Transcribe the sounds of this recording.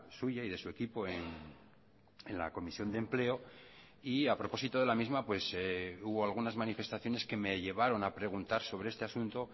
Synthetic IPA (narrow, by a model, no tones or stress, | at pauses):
suʝaiðe̞sue̞kipo̞en | enla̰ko̞misjo̞nd̪emple̞o̞ | iapɾo̞po̞sit̪o̞ðe̞lamizmapwe̞seuβo̞alɣ̞unazmanife̞st̪aθjo̞ne̞ske̞me̞ʎe̞β̞aɾo̞napɾe̞ɣ̞unt̪aɾso̞βɾe̞est̪easunt̪o̞